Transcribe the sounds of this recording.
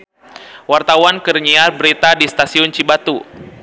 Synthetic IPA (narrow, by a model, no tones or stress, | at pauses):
wart̪awankərɲiarbəɾit̪adist̪asiʊnt͡ʃibat̪u